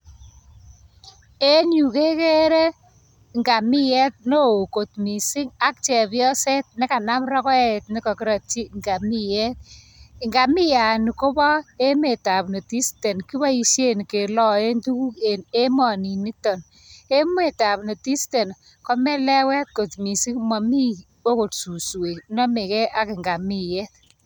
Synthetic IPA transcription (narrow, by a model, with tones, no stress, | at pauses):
e˦ɲu˨ke˦ke˦ɾe˦ | ŋɡa˨mi˦jɛ˦t̪̚no˦˨ko˨tmi˨sɪ˦ŋa˦k̚t͡ʃɛ˨bjɔ˦se˦t̚nɪ˦ka˨na˦mɾɔ˦kɔ˦e˦˨t̚nɪ˦kɔ˨ki˦ɾa˨t͡ʃi˦ŋɡa˨mi˦jɛ˦t̚ | ŋɡa˨mi˦ja˨ni˨ko˦bɔ˦e˦me˨ta˨pni˨ti˦ste˨nki˦ba˦i˧ʃe˦n˨ke˨lɔ˨e˦ntu˦ku˦ke˨ne˦mɔ˨ni˨ni˦tɔ˨n | e˦me˨ta˨pnɔ˨ti˦ste˨n | kɔ˦mɛ˦lɛ˦wɛ˦t̚ko˨tmi˨si˦ŋmɔ˨mi˦ | o˦ko˨tsu˨swe˨nɔ˦me˨kɛ˦ʔa˦kɪ˨ŋɡa˨mi˦˨jɛ˦t̚